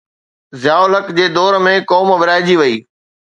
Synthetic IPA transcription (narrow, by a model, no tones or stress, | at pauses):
zɪjaːʊlɦəkd͡ʑeːd̪ɔːɾəmẽkɔːmʋɪɾaːɪd͡ʑiʋɐiː